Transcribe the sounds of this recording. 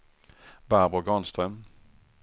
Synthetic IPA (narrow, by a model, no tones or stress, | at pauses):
babɔɡɔnst̪ɾœm